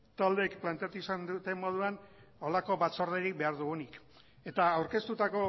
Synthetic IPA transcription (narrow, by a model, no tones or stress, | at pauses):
t̪ald̪ekplant̪eat̪uisand̪ut̪e̞mmo̞ð̞uano̞lako̞βat͡so̞ɾðeɾik̚be̞aɾðuɣunik | e̞t̪aawɾke̞st̪ut̪ako̞